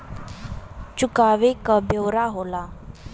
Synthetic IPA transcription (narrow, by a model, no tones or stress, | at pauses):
t͡ɕukaʋekəbewɾaɦola